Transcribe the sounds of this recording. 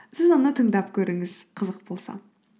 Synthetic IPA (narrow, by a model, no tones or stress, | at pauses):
sɪzonət̪ʰəŋd̪ɑpkʲʰɵɾɪŋɪzqʰəzəq̚bo̞lˠsɑ̰